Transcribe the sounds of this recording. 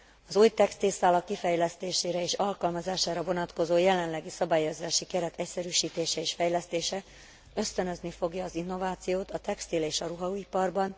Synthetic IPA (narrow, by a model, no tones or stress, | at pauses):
ɒzuːjt̪ɛkst̪ilsaːlɒkːifɛjlɛst̪eːʃeːɾɛeːʃɒlkɒlmɒzaːʃaːɾɒvo̞nɒt̪ko̞zoːjɛlɛnlɛɡisɒbaːjːozaːʃikɛɾɛt̪ɛcsɛɾyːʃiːt̪eːʃɛeːʃfɛjlɛst̪eːʃɛ | ø̞st̪ønø̞znifo̞ɡjɒːzinːo̞vaːt̪sijoːt̪ɒt̪ɛkst̪ileːʃɒɾuɦɒuipɒrbɒn